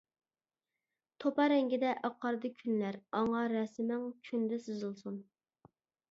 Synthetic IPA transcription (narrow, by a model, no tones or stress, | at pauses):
t̪ʰopɑɾɛŋɡʲid̪ɛʔɑqʰɑɾd̪ɨkʲʰynlæɾɑɴɑɾɛsɪmɛŋkʲʰynd̪ɪsɨzɨlˠsun